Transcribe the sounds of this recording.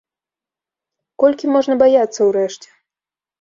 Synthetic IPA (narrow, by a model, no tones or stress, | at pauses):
kɔlʲkʲimɔʐnɐbajat̪sːɐwɾɛʂt͡ɕʲɛ̥